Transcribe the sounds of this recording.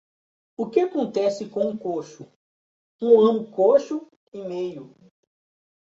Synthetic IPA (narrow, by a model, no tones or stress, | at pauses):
ʊkɪakõnt̪ɛsɪkõũkoʃʊ | ũɐ̃mʊkoʃʊ | ɪmejʊ